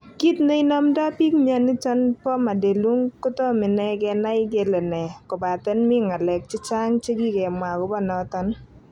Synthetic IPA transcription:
ki˦t̪ne˦i˦nɔ˦mdɔ˦pi˦kmja˦nɪ˦t͡ʃɔ˦npɔ˦ma˨de˨lu˦ŋkʊ˦tɔ˦mɪ˨nɛ˦kɛ˧na˦ɪ˦ɡe˨lɔ˨nɛ˨kɔ˨ba˨tɛ˦nmɪ˦ŋa˨lɛ˨k̚t͡ʃɪ˦t͡ʃa˦ŋt͡ʃe˦ɡi˦kɛ˨mwa˨ɡɔ˨˦bɔ˦nɔ˨˦tɔ˦n

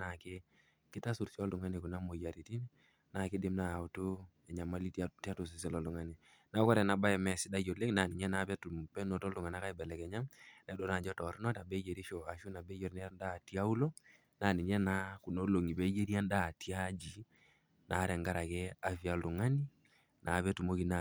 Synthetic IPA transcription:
na˨ke˦ | kɪ˦ta˦su˨ɾsi˦ɔ˦lu˨ŋa˦ni˨ku˨na˦mo˨ja˨ɾi˨ti˦n˦ | na˨kɪ˦dɪ˦mna˨u˨to˦ | ɛ˨ɲa˨ma˦li˦tti˦a˦tu˨s̬i˨s̬ɛ˦˨lɔ˨lu˨ŋa˦ni˨ | na˨˦kɔ˦ɾɛ˨na˨ba˦ɛ˨mɛ˨sɪ˦da˦jo˨le˦kna˨ni˨n˦ɛ˦na˦pɛ˦tu˨m˨pɛ˦nɔ˨tɔ˦lu˨ŋa˨na˦ka˦i˦bɛ˨lɛ˨kɛ˨ɲa˦mnɛ˨˦dɔ˨na˨d͡ʒɔ˦tɔ˨ɾnɔ˦ta˨bɛ˦d͡ʒe˨ɾi˦ʃɔ˨a˨ʃu˦na˨bɛ˦jɔ˨ɾnɛ˦nda˦˨ti˦a˦u˦lo˦ | na˨ni˨n˦ɛ˦na˦ku˨no˦lo˨ŋi˨bɛ˦d͡ʒe˦ɾi˦a˦nda˦˨ti˦a˦d͡ʒi˨ | nʔa˨˦ɾɛ˨ŋɡa˦ɾa˨kɛ˦a˨fi˨a˨˦lu˨ŋa˦ni˦ | nʔa˨βɛ˦tu˨mo˦ki˨na˨

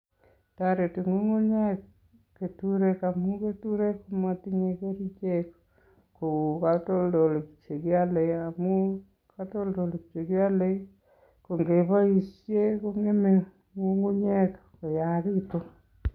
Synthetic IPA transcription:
taɾe˨ti˨ŋu˦ŋu˦ɲɛ˦k | ke˨tuɾeka˨mu˦ke˦tuɾe˦kuma˨ti˦ɲe˨ke˦ɾi˦t͡ʃek | ko˨katɔ˦ldɔ˨le˨kt͡ʃe˨kjale˨a˨mu˦ | kato˦ldo˨le˨kt͡ʃe˨kja˦le˦ | ko˨ŋɡe˨pa˦i˨sje˦ko˦ŋe˦me | ŋuŋu˦ɲɛ˦k | ko˨jaɾito˦

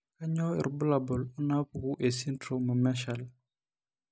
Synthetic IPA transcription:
ka˦ɲɔ˦ḭ˨ɾbə˦labɔ˨lu˦na˦puɡu˦ʔe˨si˦ntɾomə˨mɛ˦ʃal

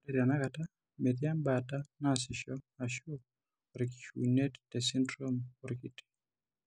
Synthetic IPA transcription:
de˨ɾa˨na˦kata˦ | me˨ðja˦mbata˦nasɪ˨ʃɔ˦a˨ʃo˦ | oɾɪki̥˨ʃṵnɛ˦ttɛsɪ˦ndɾo˦mo˨ɾki˦te̥˨

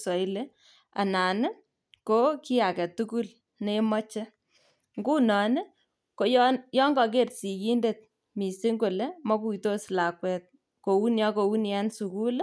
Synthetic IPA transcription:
sɔ˨i˦le˦ | a̰˨na˨nɪ˦ | ko˦ki˦a˨kɛ˨tu˦ku˦l | ne˦mɔ˦t͡ʃe˦ | ŋɡu˦nɔ˨nɪ˦ | ko˦jjɔ˦ŋɡɔ˨k̬e˦tsi˨ji˦nde˨t̚ | mi˨si˦ŋɡo˨le˦mɔ˦ku˨ito˦sla˨kwɛ˨t̚ | ko˨wu˦nja˦ko˨wu˦nja˦nsu˨ku˦l

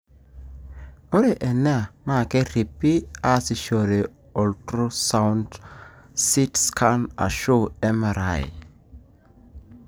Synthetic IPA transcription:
o˦ɾe˨ʔɛ˨n˦a˨na˦˨kɛ˦ɾi˨pːi˦a˦si˨ʃo˨ɾe˨ | ɔ˨ltɾo˦sa˦wnd | si˦tskʰa˦na̰˨ʃo˦ɛ˦ma˨ɾa̰˨j̰

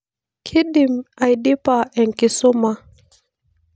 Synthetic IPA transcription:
kʰi˦ɗi˨ma˨i˨ɗi˦pa˨ɛ˨ŋ̩˨ki˨sɔ˦ma˦

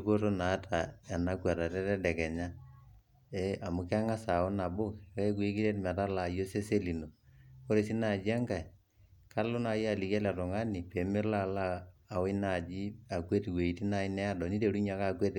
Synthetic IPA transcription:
ko˦to˦na˨˦tʰa˨ɛ˨na˦kwa˨ta˨tɛ˦tɛ˦dɛ˨kɛ˨ɲa˦ | e˦a˨mʊ˨˦ka˦ŋa˦sa˨o˦na˨bʊ˦kkɛ˦ku˦e˦ki˦ɾe˦tma˨ta˦la˨jo˦se˦se˦li˨no˨ko˦ɾe˨si˦na˦˨d͡ʒi˦a˦ŋka˨i˨ | ka˦lʊ˦na˨˦ja˨li˨ka˦la˨tʊ˨ŋa˦ni˨pe˨mɪ˦la˦˨laː˦˨we˦na˦˨d͡ʒi˦a˨kwe˦twe˨i˦ti˦na˦ɪ˦nɛ˦a˦dɔ˨ni˦te˨ɾu˦ɲa˨ka˦˨kwe˦t

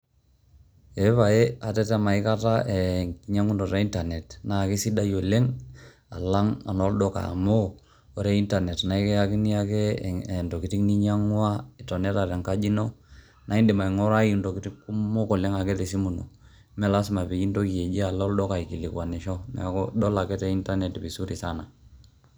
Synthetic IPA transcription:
e˨˦pa˨e˦a˨tɛ˦tɛ˦ma˨i˦ka˦ta˦ʔe˨ɲa˦ŋu˦ndɔ˨ta˦i˦nta˨nɛ˨tna˨ki˦si˦da˦jo˨le˦ŋ | a̰˨la˦ŋa̰˨nɔ˦ldɔ˦ka̰˨moː˦˨ | ɾe˦i˦nta˨nɛ˨tna˨i˦kɛ˦a˦ki˦ni˦a˦ke˦nto˨ki˨ti˦ni˦ɲa˦ŋwa˦ɪ˨tɔ˨nɛ˦ta˨tɛ˨ŋka˦d͡ʒi˦no˦ | na˦i˦ndɪ˨ma˨i˨ŋɔ˦ɾa˦ji˦ndo˨ki˦ti˦ku˦mo˦kɔ˨lɛ˦ŋa˨kɛ˦te˨si˦mu˨no̰˨ | mɛ˦la˦sma˨pi˨ki˦nto˦ki˨e˨d͡ʒe˦a˨lɔ˦ldɔ˦ka˨i˨ki˨li˨kwa˨ni˨ʃɔ˦mɛ̰˨a˨kɔdɔ˦la˨kɛ˦tɛ˦˨i˦nta˦nɛ˨tbi˨su˦ɾi˨sa˦na˨

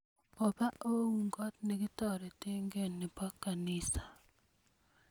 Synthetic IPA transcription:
ɔ˨ba˦ʔo˦u˨ŋɡɔ˦tnɪ˦ɡɪ˦tɔ˦˨ɾɛ˨tɪ˦ŋɡe˦nːɪ˨ba˦kːa˨nɪ˦sḁ˨

